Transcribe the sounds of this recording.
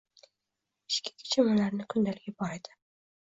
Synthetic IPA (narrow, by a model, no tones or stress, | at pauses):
ɪʃkʲɪ̥kʲʰɪ̥t͡ʃʰamalaɾnɪkʰʊnd̪alɪɡʲabɒɾad̪ɪ